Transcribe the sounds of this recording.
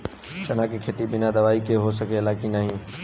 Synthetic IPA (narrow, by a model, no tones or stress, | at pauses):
t͡ʃɐnaːkikʰeːt̪iɓɪnad̪ɐʋaːikeɦosɐɡʱeɪlaːkĩnaːɦĩũː